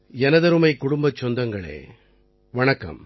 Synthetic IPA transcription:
ɛnɐðɐɾɯmɐɪkːʊɽʊmbɐt͡ʃːɔnd̪ɐŋɡɐɭḛː | ʋɐɳɐkːɐ̰m

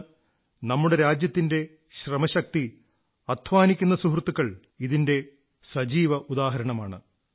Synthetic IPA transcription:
nɐmːuɽe̞ɾaːd͡ʑjɐt̪ːinde̞ | ɕrɐmɐɕɐk̚t̪i | ɐd̪ʰʱʋaːnikʲːunːɐsuɦrt̪ːukːɐɭ | iðinde̞ | sɐd͡ʑiːʋɐʔud̪aːɦɐɾɐɳɐmaːɳɨ̰

